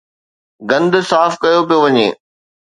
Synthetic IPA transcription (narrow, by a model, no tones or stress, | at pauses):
ɡɐ̃nd̪ʊsaːfkɐjopijoʋɐɲḛː